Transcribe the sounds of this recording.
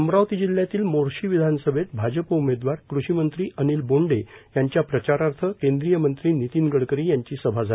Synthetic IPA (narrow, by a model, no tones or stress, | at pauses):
əmɾaʋt̪iːd͡ʑiljat̪iːlmoɾɕiːʋid̪ʱanəsəbʱet̪̚bʱad͡ʑəpəumed̪ʋaɾkɾuɕimənt̪ɾiːʔəniːlboɳɖejaɲt͡ɕjapɾət͡ɕaɾaɾt̪ʰəkẽnd̪ɾijəmənt̪ɾiːnit̪iːnɡəɽkəɾiːjaɲt͡ɕiːsəbʱad͡zʱa